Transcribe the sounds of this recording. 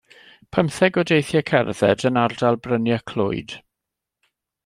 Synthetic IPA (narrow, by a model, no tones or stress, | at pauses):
pʰəmθɛɡɔdejθjɛkʰɛ̰rð̥ɛ̰dənardalˠbrənjakʰl̥ʊ̰ɨd̥